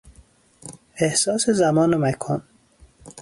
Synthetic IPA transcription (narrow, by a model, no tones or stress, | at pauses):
ehsɒːsezæmɒːnomækʰɒːn